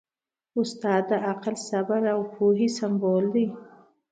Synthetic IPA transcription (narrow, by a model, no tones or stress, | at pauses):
ʊst̪ɑːd̪aaqalsabaɾawpʰuɦisambold̪ij